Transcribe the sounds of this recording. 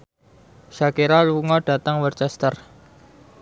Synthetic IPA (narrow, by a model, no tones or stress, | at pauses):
ʃakiɾaluŋɔɖ̥ä̤t̪əŋwərt͡ʃɛst̪ər